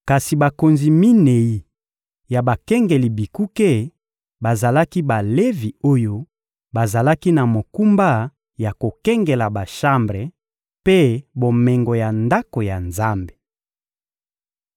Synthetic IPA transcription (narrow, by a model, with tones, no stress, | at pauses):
ka˨si˨ba˨ko˨nzi˨mi˦ne˨ji˨ | ja˨ba˨kɛ˦ŋɡe˨li˨bi˨ku˦ke˦˨ | ba˨za˨la˦ki˦ba˨le˦vi˨o˦jo˦ | ba˨za˨la˦ki˦na˨mo˨ku˦mba˦ | ja˨ko˨kɛ˦ŋɡɛ˨la˨ba˨ʃa˦mbʁe˨ | pe˦bo˨mɛ˨ŋɡo˨ja˨nda˦ko˨ja˨nza˦mbe̥˨